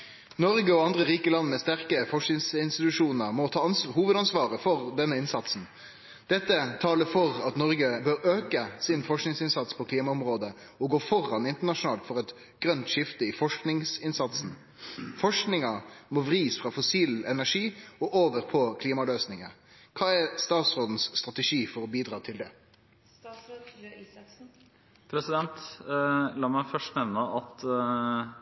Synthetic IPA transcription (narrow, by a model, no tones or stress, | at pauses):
nɔɾɡəɔɑnd̪ʁəʁiːkəlɑnːmɛst̪æʁkəfɔʂk̪ɪŋsɪnst̪ɪt̪ʉʂuːnəʁmɔt̪ʰɑːɑnhuːʋəd̪ɑnsʋɑːʁəfɔʁd̪ɛnːəɪnsɑt̪sn̩ | d̪̥ɛt̪ːət̪ʰɑːləfɔʁɑt̪nɔɾɡəbøːɾøːkəsɪnfɔʂknɪŋsɪnsɑt̪spʰɔkliːmɑʊmʁoːd̪ə | ɔɡoːfɔʁɑnɪnt̪əɳɑʂʊnɑːlt̪fɔʁɛt̪ | ɡ̥ʁœnt̪ʂɪft̪əɪfɔʂknɪŋsɪnsɑt̪sn̩ | fɔʂknɪŋɑmɔʋɾiːsfʁɑfʊsiːlɛnæʂiːɔʔoːʋəɾpʰɔkʰliːmɑløːsnɪŋə | kʰɑːɛɾst̪ɑːt̪sʁoːd̪n̩sːt̪ɾʁɑt̪ɛʂiːfɔɾɔbiːd̪ɾɑːt̪ʰɪld̪ɛ | pʰɾɛsɪd̪ɛnt̪ | lɑːmæɪfœʂʈnɛʋnəɑt̪